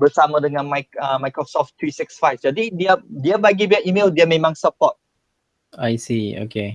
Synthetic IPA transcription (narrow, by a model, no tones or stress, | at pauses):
bəsamadəŋãnmajkəmajkɹɔsɔft̪ːɹisiksfajfd͡ʒadidiədiəbaɡibiaʔimeldiəmẽmãŋsəpɔt̚ | ajsio̰ke